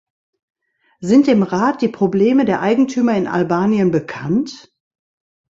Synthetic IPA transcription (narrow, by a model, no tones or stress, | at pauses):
zɪntd̥ɪːmʁaːt̚d̥iːpʁ̥obleːmədeːɐʔaɪɡŋ̩tʰyːmɐɪnʔa̰lbaːnjənbəkʰant